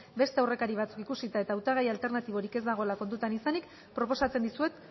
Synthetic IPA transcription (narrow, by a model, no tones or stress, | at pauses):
be̞st̪eawre̞kaɾiβ̞at͡sukikusit̪ae̞t̪aːwt̪aɣ̞ajalt̪e̞ɾnat̪iβ̞o̞ɾike̞zd̪aɣ̞o̞lako̞nt̪ut̪anisanik | pɾo̞po̞sat͡send̪isue̞t̪